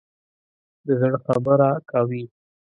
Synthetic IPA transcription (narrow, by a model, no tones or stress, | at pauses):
d̪əzəɽxabəɾakawi